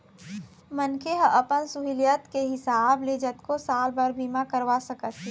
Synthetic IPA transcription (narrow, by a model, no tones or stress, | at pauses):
mənkʰeɦə̃ʔəpənsuɦiljət̪keɦɪsaːbled͡ʒət̪kosaːlbəɾbʱimakəɾʋasəkət̪t͡ʃi